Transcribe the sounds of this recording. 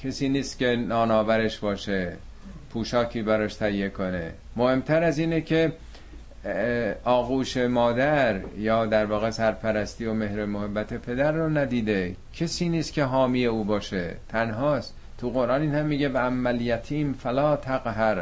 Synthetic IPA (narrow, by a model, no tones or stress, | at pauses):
cʰesiːniːst̪cʲe̞nɒːnɒːvæɾeʃbɒːʃe | pʰuːʃɒːkʰiːbæɾɒːʃt̪ʰæijːekʰo̞ne̞̰ | mohe̞mt̪ʰæɾæziːnecʰe̞ | ɒːɣuːʃe̞mɒːd̪æɾjɒːd̪æɾvɒːɣe̞sæɾpʰæɾæst̪iːome̞hɾemohebːæt̪ʰe̞pʰe̞d̪æɾːonæd̪iːd̪e̞cʰesiːniːst̪kcʰe̞ɦɒːmije̞uːbɒːʃet̪ʰænɦɒːs | t̪ʰuɣo̞ɾʔɑːniːnhæmːiːɟebeæmːæljæt̪ʰiːmfælɒːt̪ʰæɣɦæɾ